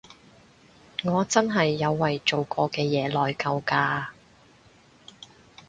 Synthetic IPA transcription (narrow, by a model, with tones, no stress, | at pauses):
ŋɔː˨˧t͡sɐ˥nɦɐ˨jːɐ˨˧wːɐ˨jt͡so˨wkɔː˧kɛː˧jɛː˨˧lɔː˨jkɐ˧wkaː˧